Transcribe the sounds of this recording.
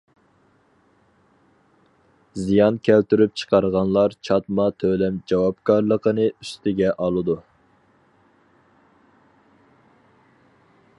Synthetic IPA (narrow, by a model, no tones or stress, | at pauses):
zijɑnkʲʰælt̪yɾyp̚t͡ʃʰə̥qɑɾəʁɑnlˠɑɾt͡ʃʰɑt̪mɑt̪ʰølɛmd͡ʒɑwɑpkʰɑɾlˠəqənɨyst̪ɪɡʲɛʔɑlˠɨd̪u